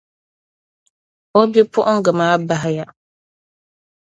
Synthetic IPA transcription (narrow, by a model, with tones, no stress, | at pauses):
ɔ˦bi˦pʰʊ˦ʔʊ˦ŋ̩˦ɡɨ˨maː˦ba˦ɦɪ˦ja˨